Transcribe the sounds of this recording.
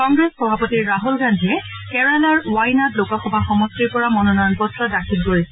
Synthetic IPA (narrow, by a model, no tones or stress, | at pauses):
kɔŋɡɹɛsxɔbʱapɔtiɹːaɦulɡandʱiɛ | kɛɹalaɹwajnatlokaxɔbʱaxɔmɔstɹiɹpɔɹamɔnɔnɔjɔnbɔtːɹɔdakʰit̚ɡoji